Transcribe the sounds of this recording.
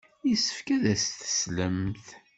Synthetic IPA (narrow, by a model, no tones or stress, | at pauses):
jisə̥fkæðæsθə̥sləmθ